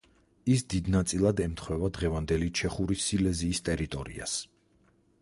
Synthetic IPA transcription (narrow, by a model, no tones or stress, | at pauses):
isd̪id̪nat̪sʼilˠad̪ɛmt̪ʰχwɛvad̪ʁɛvand̪ɛlit͡ʃʰɛχuɾisilɛziːst̪ʼɛɾit̪ʼɔɾḭa̰s